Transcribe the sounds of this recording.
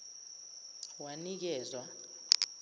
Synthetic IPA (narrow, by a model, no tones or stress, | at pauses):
wanik̬ɛːzwa